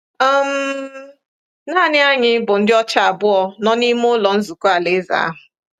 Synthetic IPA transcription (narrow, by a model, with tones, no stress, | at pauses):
ɔ˦m˦ | na˦˨nɪ˦a˦ɲɪ˦bʊ˨n̩˦dɪ˦ɔ˦t͡ʃa˦a˨bʊ˦ɔ˨nɔ˦ni˦mʊ˦lɔ˨n̩˦zu˨ku˦a˨le˦za̰˨a̰˦ɦʊ˨